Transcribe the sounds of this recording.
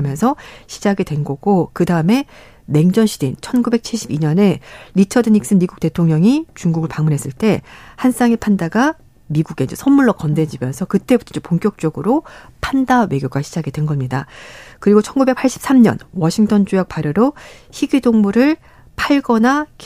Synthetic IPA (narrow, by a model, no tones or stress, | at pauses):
mjʌnsʰʌɕʰi̥d͡ʑaɡidwe̞nɡʌɡ̥okɯdaɯme̞ | me̞ŋd͡ʑʌnɕʰid̥ent͡ɕʰʌnɡube̞k̚t͡ɕʰiɭɕ͈ʰibiɲʌne̞ɾit͡ɕʰʌdɯniks͈ɯnmiɡuk̚t͈e̞tʰoŋɲʌŋit͡ɕuŋɡuɡɯɭpaŋmunɦes͈ɯɭt͈e̞hans͈aŋipʰandaɡa | miɡuɡe̞d͡ʑesʰʌnmuɭːʌkʌnde̞d͡ʑimjʌnsʰʌkɯt͈e̞butʰʌd͡ʑepoŋk͈jʌk̚t͡ɕ͈ʌɡɯɾopʰandawe̞ɡjoɡaɕʰi̥d͡ʑaɡedwe̞nɡʌmɲidakɯɾiɡot͡ɕʰʌnɡube̞k̚pʰaɭɕ͈ʰi̥p̚s͈ʰamɲʌ̰nwʌɕʰiŋtʰʌnd͡ʑujak̚paɾjʌɾo | çiɡidoŋmuɾɯɭ | pʰaɭɡʌnak